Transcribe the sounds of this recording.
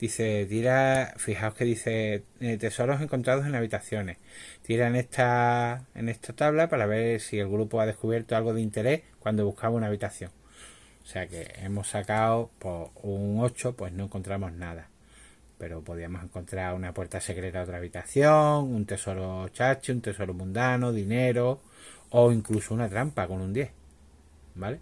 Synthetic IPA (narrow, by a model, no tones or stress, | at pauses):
d̪̥iθe̞t̪iɾafihaohke̞ðiθe̞t̪e̞so̞ɾo̞se̞ŋko̞nt̪ɾaðose̞ŋaβ̞it̪aθjo̞ne̞ht̪iɾaeneht̪ʰae̞̰ne̞st̪ʰat̪aβlapaɾaβe̞ɾsie̞lɣɾupoaðe̞hkuβje̞ɾt̪oalɣo̞ðeint̪e̞ɾe̞hkwand̪oβuhkaβaunaːβ̞it̪aθjo̞ŋ | ose̞ake̞̰emo̞sakaopouŋo̞t͡ʃo̞pwe̞ɦnoeŋko̞nt̪ɾamo̞ɦnaða | pe̞ɾo̞po̞ðiamo̞se̞ŋko̞nt̪ɾaɾunapwe̞ɾt̪ase̞kɾe̞t̪ao̞t̪ɾaːβit̪aθjoŋunt̪e̞so̞ɾo̞t͡ʃat͡ʃeunt̪e̞so̞ɾomũnd̪anoðine̞ɾo̞ː | iŋklusounat̪ɾampako̞nũnd̪je̞h | bale̞